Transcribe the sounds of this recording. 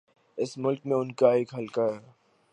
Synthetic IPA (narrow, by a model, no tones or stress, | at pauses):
ɪsmʊlkmẽʊnkaeːkɦɐlkaɦɛː